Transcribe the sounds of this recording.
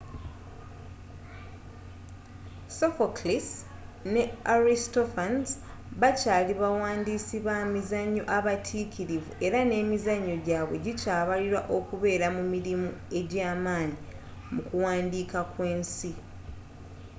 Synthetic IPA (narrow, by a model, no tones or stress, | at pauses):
sofoklis | ne̞aɾistofanz | βacaːliβawaːndiːsiβamizaɲːo̞̰ʔaβatʰiːkʰiɾivue̞ɾane̞ːmizaɲːo̞ɟaːβwe̞̰ɟicaːβaliɾwaʔo̞kuβe̞ːɾamumiɾimue̞ɟaːmaːni | mukuwaːndiːkakwe̞ːnsi